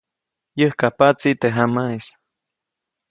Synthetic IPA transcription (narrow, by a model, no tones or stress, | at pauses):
jəhkapat͡sit̪eɦamais